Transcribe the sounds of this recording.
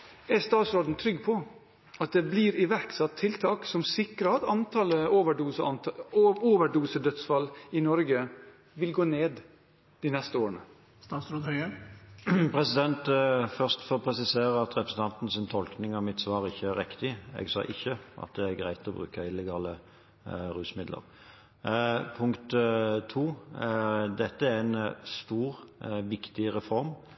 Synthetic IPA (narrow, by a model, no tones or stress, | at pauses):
ɛst̪ɑːt̪sɾoːd̪nt̪ʰɾʏɡːpʰɔ | ɑt̪̚d̪ɛblɪɾɪʋæɾksɑt̪ʰːɪlt̪ʰɑːksɔmsɪkɾəɑt̪ɑnt̪ʰɑləoːʋəɖuːsəɑnoːʋəɖuːsəd̪œt̪sfɑlːɪnɔɾɡə | ʋɪlɡoːneːd̪ | d̪̥inɛst̪əoːɾənə | st̪ɑːt̪sɾoːd̪œə | pʰʁɛsɪd̪ɛnt̪fœʁst̪fɔɾɔpʰɾɛsɪseːɾəɑt̪ʁɛpɾəsn̩t̪ɑnt̪n̩sɪnt̪ʰɔlknɪŋɑmɪt̪sʋɑːɾɪçːəæʁʁɪkt̪ɪɛ̰ɡsɑ̰ːʔɪ̰çːəʔɑ̰t̪̚d̪ɛæɡʁæɪt̪ʰɔbʁʉ̰ːkəɪlːɛɡɑːlə | ɾʉːsmɪd̪lə̰ɾ | pʰʊŋkt̪t̪ʰuː | d̪ɛt̪ːəæɛnst̪uːʁʋɪkt̪ɪɾɛfɔɾm